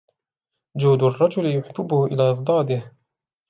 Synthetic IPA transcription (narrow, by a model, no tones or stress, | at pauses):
d͡ʒuːd̪ʊrˤːɑd͡ʒʊlɪjʊħɪbːɪbʊhʊʔɪ̰laːʔðˤd̪ˤɑːd̪ɪh